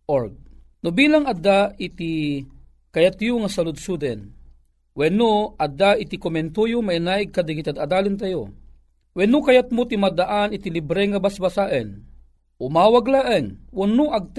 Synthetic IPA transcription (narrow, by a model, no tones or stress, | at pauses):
ʔoɾɡ̚ | nʊbiːlaŋad̪ait̪i | kajat̪jʊŋasalʊd̪̚sud̪ɛn | wɛnoɐd̪aʔɪt̪ikomɛnt̪ujʊmainaːʔɪɡ̚kad̪aɡit̪ad̪ad̪aːlɪnt̪̬ajo | wɛnʊkajat̪̚mot̪imad̪aʔanɪt̪ilibɾɛŋabasbasaʔɛn | ʔʊmaːwaɡlaʔɛŋwʊnʊʔaɡ̚t̪